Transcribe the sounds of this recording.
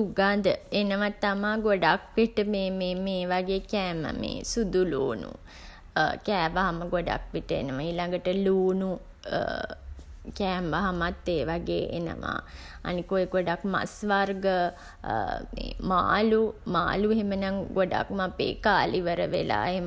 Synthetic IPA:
uɡad̪əenəʋat̪ːamaːɡoɖakʋiʈəmeːmeːmeːʋaɡeːkɛːmə̰mḛːsud̪ulṵːnṵ | kɛːʋaɦaməɡoɖa̰kʋiʈəḛnəʋaiːlaŋɡəʈəluːnu | kɛːmʋaɦamat̪ːeːʋaɡeːʔḛnə̰ʋa̰ː | a̰nikojeɡoɖakma̰sʋarɡə | meːma̰ːluma̰ːlueɦemənaŋɡoɖa̰kmapḛːkaːliʋəɾəʋḛla̰ːeɦe

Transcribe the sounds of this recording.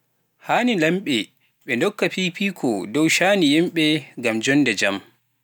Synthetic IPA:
haːnilɐmɓɛ | ɓɛndɔkːaɸiːɸiːkʰɔdɔwʃaːnijɛmɓɛɡamd͡ʒɔndɛd͡ʒɐm

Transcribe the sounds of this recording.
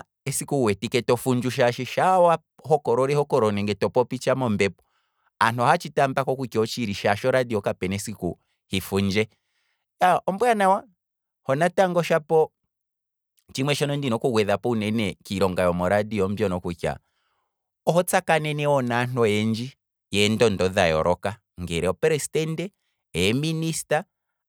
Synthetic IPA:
ɛsikuwɛtikɛtɔfuɲd͡ʒuʃ̬aʃɛʃawa | hɔkɔɾɔɾɛhɔkɔɾɔnɛŋɡɛtɔpɔpit͡ʃamɔmbɛpɔ̥ | an̥ɔhat͡ʃitambakɔkukjɔt͡ʃiɾiʃaʃɔɾadiɔkapɛnɛsikṵ | hifuɲd͡ʒɛ | jaɔmbwanawa | hɔnataŋɡɔʃapɔ | t͡ʃimwɛʃɔnɔndinɔkuɡwɛðapɔunɛnɛkiɾɔŋɡajɔmɔɾadiɔm̩bjɔnɔkukja̰ | ɔɦɔt͡sakanɛnɛɔnaːn̥ɔjɛnd͡ʒi | jɛndɔndɔðajɔ̰ɾʔɔka | ŋɡɛɾɛɔpɛɾɛstɛndɛ | ɛɛminista

